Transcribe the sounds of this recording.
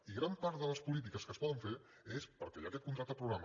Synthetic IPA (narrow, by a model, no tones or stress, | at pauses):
iɣɾampaɾt̪ðələspulit̪̬ikəskəspɔðəɱfe | espəɾkɛʎakɛt̪̚kunt̪ɾat̪əpɾuɣɾam